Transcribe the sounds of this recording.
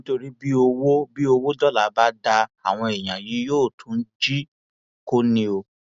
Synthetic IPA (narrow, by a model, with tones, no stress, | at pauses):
nĩ˦to˧ɾi˦bi˦o˧wo˦bi˦o˧wo˦dɔ˦la˨˦ba˦da˧a˨w̃ɔ̃˧e˨j̃ã˨ji˨˦joː˦˨tʰũ˨˦n̩˦d͡ʒi˦ | ko˦nĩ˧o˧